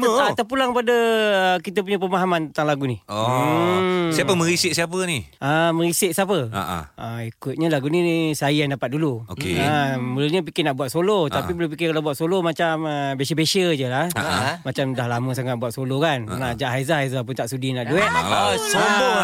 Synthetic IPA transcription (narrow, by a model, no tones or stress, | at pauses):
at̪ap̬ulaŋkpadəəkit̪əp̬uɲəp̬əmaɦamant̪ənt̪aŋlaɡunio | siapəmə̃ɾisɪʔ̚siap̬əniəmə̃ɾisɪʔ̚siapəa̰ʔəikʊt̪̚ɲəlaɡunisajəjaŋdapat̪̚duluokḛabəlulɲəp̬ikɪnaʔbuat̪̚solot̪apibəlup̬ikɪkalawbuat̪̚solomat͡ʃaməbeʃəbeʃəd͡ʒəlahamat͡ʃamdahlamə̃saŋaʔ̚buat̪̚solokannad͡ʒaʔɦaizahajzapʊnt̪aʔsudinaʔduɛʔ